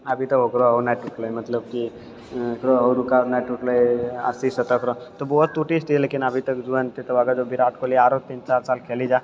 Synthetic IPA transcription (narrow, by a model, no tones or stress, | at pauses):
ɐbʱit̪ɐkokɾoɦonaʈːuːʈlomɐt̪ləb̚ki | kɾoɦoɾukanaʈːuʈloeə̰sisɐt̪əkɾot̪obɔːt̪ːuːʈisʈieleːkɪnɐbʱit̪ɐkd͡ʒuənt̪et̪oʋaːɡad͡ʒobiɾaːʈkoliaːɾoːt̪̚t̪p̪ĩːnt͡ʃt͡ʃaːɾsaːlkʰeːlid͡ʒaː